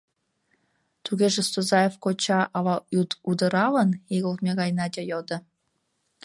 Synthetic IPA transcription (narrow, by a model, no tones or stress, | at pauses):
t̪uɣeʒĕst̪ozɑjefkot͡ɕɑʔɑlɑut̪ud̪ɤ̆ɾɑlə̆niɣəlmʲeɣɑjnɑd̪ʲejod̪ɤ̆